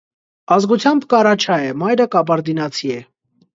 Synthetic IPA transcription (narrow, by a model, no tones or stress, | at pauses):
ɑzɡut͡sʰjɑmbkɑɾɑt͡ʃʰɑjɛmɑjɾəkɑbɑɾd̪inɑt͡sʰiɛ